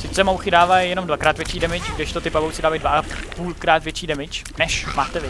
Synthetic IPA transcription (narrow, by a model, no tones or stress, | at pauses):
sɪt͡sɛmowxɪdaːvajjɛno̞mdvakɾaːt̪vjɛt͡ʃiːdɛmɪt͡ʃɡdɪʃt̪ot̪ɪpavowt͡sɪdaːvajdvaʔappuːlkɾaːt̪vjɛt͡ʃiːdɛmɪt͡ʃ | nɛʃmaːt̪ɛvɪ